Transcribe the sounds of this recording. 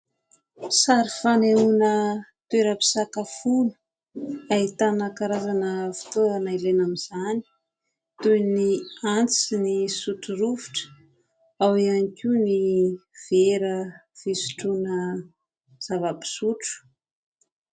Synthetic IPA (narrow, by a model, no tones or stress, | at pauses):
saɾifaneunət̪ueɾəpi̥sakafunə̥ | ait̪anəkaɾazanəfi̥t̪oanailenamiz̥ani̥ | t̪ujniant͡sinisuʈ͡ʂuɾuviʈ͡ʂə̥ | awianikʲuniv̥eɾəv̥isu̥ʈ͡ʂunə | z̥avəpi̥suʈ͡ʂu̥